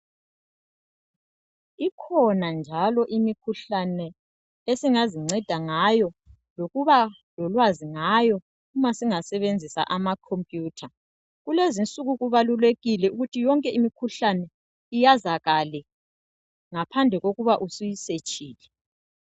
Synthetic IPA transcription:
ikʰɔnand͡ʒʱalɔʔimikʰuɬanɛ | esiŋaziŋ͡ǀʱɛd̥ʱaŋajɔ | loɣuβa | lɔlwaziŋajɔ | umasiŋasɛβend͡zʱisa̰ʔamakʰompʼjuːtʰa | ɣulezint͡sʼuɣuɣuβaluleɣilɛuɣutʰijɔŋkʼɛimikʰuɬanɛ | ijazaɣalɛ | ŋapʰand͡ɮʱɛɣoɣuβaʔusujiset͡ʃʼiːlɛ

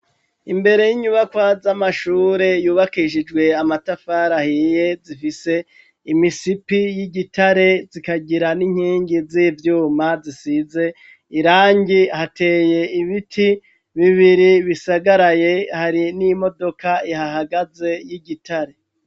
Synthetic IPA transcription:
imbe̞ɾe̞jiɲuβakwazamaʃuːɾe̞juːβakiʃ̬id͡ʒɡwe̞amatafaɾahije̞zifise̞ | imisipijiɟitaɾe̞zikaɟiɾaniŋ̥hiːɲɡiziːvjuːmazisize̞ | iɾaːɲɟihate̞ːje̞iβitʰi | βiβiɾiβisaɡaɾaje̞haɾinimo̞do̞kaihaɦaɡaze̞jiɟitʰaɾe̞

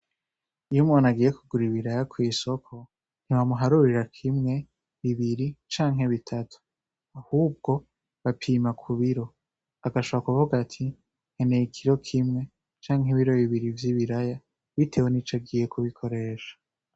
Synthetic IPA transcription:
ijumŋonaɡiːje̞kuɡuɾiβiɾajakʰwiːso̞kʰo | n̥iwamuɦaɾuɾiɾakʰimŋe̞ | βiβiɾit͡ʃaːŋɦe̞βitʰatʰu̥ | ahuːb̚ɡo̞ | βapʰiːmakʰuβiɾo̞ | aɡaʃo̞βakuvuɡatʰi | ŋ̥henejikʰiɾo̞kʰimŋe̞ | t͡ʃaːŋɦeβiɾo̞βiβiɾivjiβiɾaja | βitʰe̞ːwenit͡ʃaɡiːje̞kuβikʰo̞ɾe̞ːʃḁ

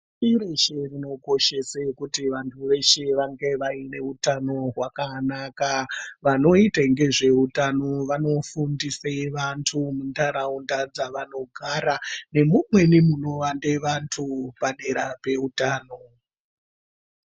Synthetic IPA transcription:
iɾeʃerino̞ko̞ʃe̞sakutiʋantʰuʋe̞ʃeʋaŋɡe̞ʋaine̞utano̞ɦwakanakaʋano̞itaŋɡe̞ʐe̞utano̞ʋano̞fundiseʋantʰumundaɾaundad͡zaʋano̞ɡʱaɾane̞mumwe̞nimuno̞ʋandeʋantʰupane̞ɾape̞utaːno̞

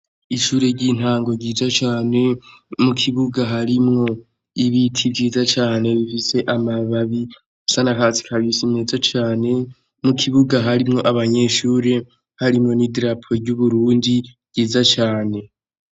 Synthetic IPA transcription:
iʃuːɾe̞ɾɟiːn̥haːŋɡo̞ɟiːzat͡ʃaːne̞mukʰiβuɡaɦaɾimŋo̞ | iβitʰivɟiːzat͡ʃaːne̞βifise̞ʔamaβaβi | usanakaːsi̥kʰaβisimeːzat͡ʃaːne̞ | mukʰiβuɡaɦaɾimŋo̞ʔaβaɲe̞ʃuːɾe̞ | haɾimŋo̞nidɾapʰoɟuβuɾuːndi̥ | ɟ̥iːzat͡ʃaːne

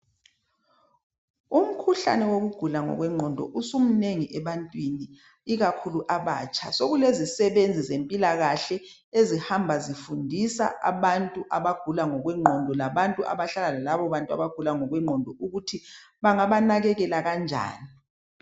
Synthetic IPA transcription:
um̩kʰuɬa̰nɛwoɣuɡ̥ʱulaŋɔ̰ɣwɛŋ͡ǃʱɔndʱɔ̰ʔusum̩neŋiʔɛβantʼwini | iɣakʰuluʔaβa̰ːt͡ʃʰʼa̰soɣulezisɛβend͡zʱizempʼilaɣaɬɛ | ezihambʱazifundʱisa̰ʔa̰βantʼuʔaβaɡ̥ʱulaŋɔɣwɛŋ͡ǃʱɔndʱɔlaβantʼua̰βaɬalalalaβɔβantʼua̰βaɡ̥ʱulaŋɔɣwɛŋ͡ǃʱɔndʱɔʔuɣutʰi | βaŋaβanaɣɛɣɛlaɣand͡ʒʱa̰ːni

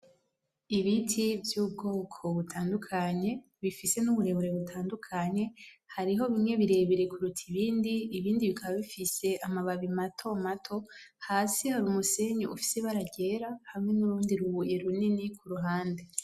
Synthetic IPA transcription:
iβitʰivjuːb̚ɡo̞ːkʰo̞βutʰaːndukʰaɲe̞ | βifise̞nuβuɾe̞βoɾeβutʰaːndukʰaɲe̞haɾiɦo̞βimŋe̞βiɾe̞βiɾe̞kuɾutʰiβiːndiːβiːndiβikʰaβaβifise̞ʔamaβaβimatʰo̞matʰo̞haːsihaɾuːmuse̞ɲoṵfi̥seβaɾaɟe̞ɾahamŋe̞nuɾuːndiɾuβuje̞ɾuninikʰuɾuɦaːnde̞

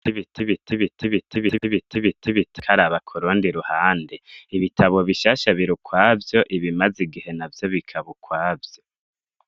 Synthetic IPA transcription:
iβitʰiβitʰiβitʰiβitʰiβiβitʰiβitʰiβiti̥kʰaɾaβakʰuɾuːndiɾuhaːndeiβitʰaβo̞βiʃaːʃaβiɾukwaːvjo̞ʔiβimaziɡihe̞navjo̞βikʰaβukʰwaːvjo

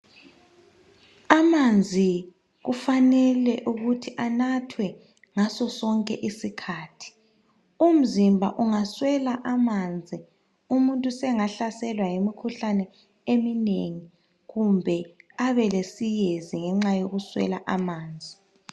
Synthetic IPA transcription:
amand͡zʱi | ɣufanɛlɛʔuɣutʰiʔanatʰwɛ | ŋasɔsɔŋkʼɛ̰ʔisikʰaːtʰi̥ | um̩zimbʱa̰ʔuŋaswɛlaʔamand͡zʱi | umuntʼusɛŋaɬasɛlwajimikʰuɬanɛ | emineŋi | ɣumbʱɛaβɛlesijeziŋɛŋ͡ǁajoɣuswɛ̰laʔamaːnd͡zʱi

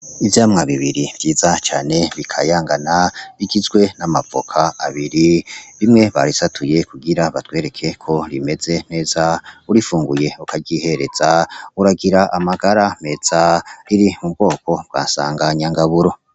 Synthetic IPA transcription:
ivjaːmŋaβiβiɾiv̥jiːzat͡ʃaːne̞βikʰajaːŋɡanaβiɡizɡwe̞namapo̞̰kʰaaβiɾiβimŋe̞βa̰ɾisatʰuje̞kuɡiɾaβatwe̞ːɾe̞kʰe̞kʰo̞ɾime̞ze̞n̥e̞ːzauɾifuːŋɡuje̞ukʰaɟihe̞ɾe̞z̥auɾaɡiɾaʔamaɡaɾame̞z̥aɾiɾimubɡo̞ːko̞b̚ɡa̰ːsa̰ːŋɡaɲaŋɡaβuɾo̞

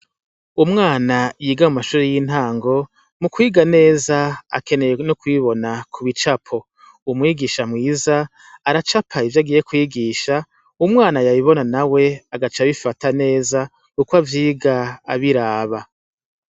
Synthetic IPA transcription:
umŋaːnajiːɡamumaʃuːɾejin̥haːŋɡo̞ | mukwiːɡane̞ːzaa̰ke̞ne̞jenukwiβo̞nakʰuβit͡ʃapʰo̞ | umŋiːɡiːʃamŋiːzaː | ɾat͡ʃapʰaivjaɡije̞kwiːɡiːʃa | umŋaːnajaβiβo̞nanawe̞aɡat͡ʃaβifatane̞ːza | kukwavjiːɡaːβiɾaːβa

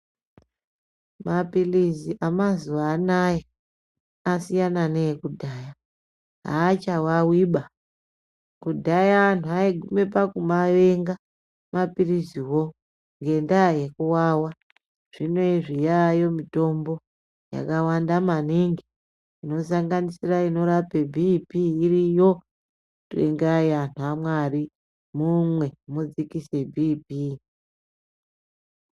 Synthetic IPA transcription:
mapiliziʔamazuʋaːnaje | asijananeekudʱaːja | ɦa̰ːt͡ʃawawiɓa | kudʱajaantuaiɡʱume̞pakumaʋeŋɡa | mapiriziwo̞ | ŋɡe̞ndaje̞kuwaːwa | ʐ̥inweiʐijajo̞mito̞mbo̞ | ja̰kawandamaniŋɡi | ino̞s̬aŋɡanisiraino̞ɾapebʱipiːrijo̞ | tḛŋɡajantʰuamwari | mumwe̞mud͡zikise̞bʱiːpi

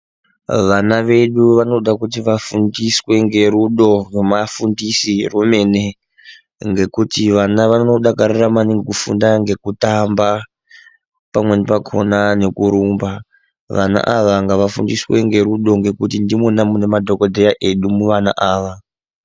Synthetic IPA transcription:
ʋanaʋe̞ɗuʋano̞ɗakut̬iʋafundiswe̞ŋɡe̞ɾuɗo̞rwemafundisirume̞ne | ŋɡe̞kutiʋanaʋano̞ɗakaɾiramaniŋɡikufṵndaŋɡe̞kutamba | pamwe̞nipakʰo̞̰nane̞kuɾuːmba | ʋa̰na̰ʔaʋaŋɡaʋafṵndiswe̞ŋɡe̞ɾuɗo̞ŋɡe̞kutindimonamune̞madʱo̞ko̞dʱe̞jaʔe̞ɗumuʋana̰ʔaːʋa

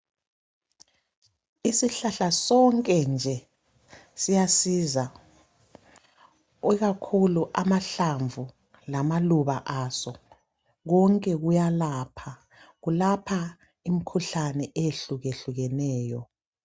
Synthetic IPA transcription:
isiɬaɬasɔŋkʼɛnd͡ʒʱɛ | sijasiza | wɛɣakʰuluʔamaɬaɱvʱu | lamaluβaʔasɔ | ɣɔŋkʼɛɣujalapʰa | ɣulapʰa | imikʰuɬanɛʔeeɬuɣeɬuɣɛnɛːjɔ

